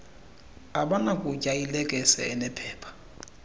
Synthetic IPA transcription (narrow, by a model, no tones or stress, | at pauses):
aɓanakʼucʼajilɛkʼɛsɛ̰ɛnɛpʰɛːpʰḁ